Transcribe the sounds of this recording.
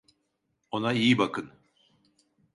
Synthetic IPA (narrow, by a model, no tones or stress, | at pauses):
o̞naijibakɯn